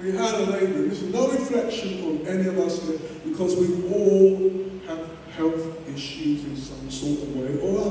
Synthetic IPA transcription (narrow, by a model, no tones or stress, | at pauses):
wiəɾəlẽɪ̃dɪ̃ŋðɪsɨznoʊɹɪ̃flɛkʃɨ̃nə̃nɛniʌvaspɛktb̥ɨkʰʌzwiɔlˠ | əv̥ | hɛlˠθ | ɪ̃ʃʉzɪ̃nsʌ̃msɔɹtʌvweɪʔəə